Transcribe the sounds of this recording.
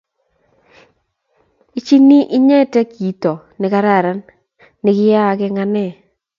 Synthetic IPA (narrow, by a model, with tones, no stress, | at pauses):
i˦t͡ʃi˦ni˦ʔɪ˦ɲɛ˦˨tɛ˦kiː˨˦tɔ˨ | nɪ˨ka˦ɾa˦˨ɾa˦nː | ɪ˨kɪ˦ja˦˨kɛ˦ŋa˦nɛ˦˨